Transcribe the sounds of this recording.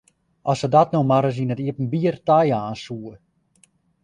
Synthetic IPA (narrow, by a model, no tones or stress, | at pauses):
ʔɔsədɔtnomaɾəs̬inətiəpn̩biərtajaːnsuə